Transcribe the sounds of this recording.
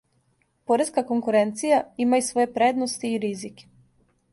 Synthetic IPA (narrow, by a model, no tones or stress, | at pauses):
poɾeskako̞ŋkuɾe̞nt̪sijaimaisʋo̞je̞pɾed̪no̞st̪iːɾizike̥